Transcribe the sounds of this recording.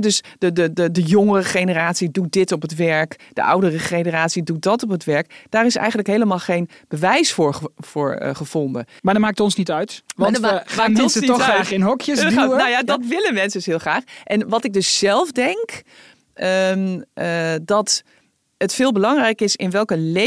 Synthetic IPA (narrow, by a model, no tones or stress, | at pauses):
døs | dədədədəjoŋərəχejnəraːtsidut̚dɪtɔpətʋɛɹkd̥ə̰ʔʌ̰wdərəχejnəraːtsidut̚dɔtɔpətʋɛɹkd̥aːrɪsɛ̰jɣəntləkɦejləmaːlˠxejn | b̥əʋɛjsfʊːɹfʊːɹ̰χəv̥ɔndəmadmaːk̚tɔnsnitœɥtʋdamaknsəiɔaχɪnɦɔkjənojadɔt̬ʋɪləmɛnsəsɦɪːəlˠχraːxʔɛnʋɔtɪɡ̚døssɛlˠfdɛŋk | ʔəmədɔt | ətfɪːlˠbəlɑŋrɛjkɪsɪnʋɛlˠkəle